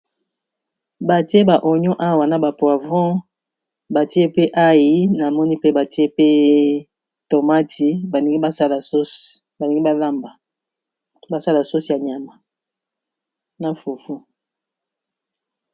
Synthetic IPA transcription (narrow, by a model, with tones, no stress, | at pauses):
ba˨ti˦e˦ba˨ʔo˨ɲɔ˦ʔa˦wa˨na˨ba˨pwa˨vɔ̃˦ | ba˨ti˦e˦pe˦ʔa˦ji˨na˨mɔ˦ni˦pe˦ba˨ti˦e˦pe˦ | to˨ma˦tʰi˨ba˨˦a˦sa˦la˨˦ | ba˨ni˨ɡi˦a˦la˦mba˨ | ba˨sa˦la˨so˦si˨a˨ɲ˨a˨ma˨ | na˨fu˨fu˦